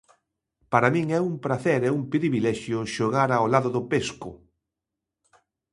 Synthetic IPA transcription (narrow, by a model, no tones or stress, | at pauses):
paɾamĩŋɛumpɾaθɛɾɛuŋpɾiβilɛʃjʊʃoɣ̞aɾaolaðʊðʊpeskʊ̰